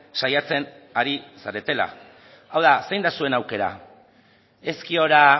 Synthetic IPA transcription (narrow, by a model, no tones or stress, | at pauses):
sajat͡se̞n | aɾisaɾe̞t̪e̞la̰ | awðasejnd̪asue̞nawke̞ɾa̰ | e̞skio̞ɾa